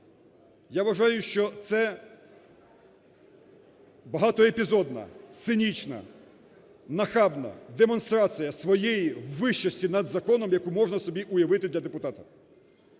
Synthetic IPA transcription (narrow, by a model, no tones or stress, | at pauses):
jaʋɐʒɑjʊʃt͡ʃɔt̪sɛ | bɐɦɑt̪ɔepʲizɔd̪nɐ̰t̪sɪnʲit͡ʃnɐ̰ | nɐxɑbnɐ̰d̪emɔnst̪ɾɑt͡s̪ɨjɐsʋɔjejiwːɪʃt͡ʃɐsʲtʲinɐd̪zɐkɔnɔmjɐkumɔʐnɐsɔbʲiʔʊjɐʋɪt̪ɪd̪lʲɐd̪epʊt̪ɑt̪ɐ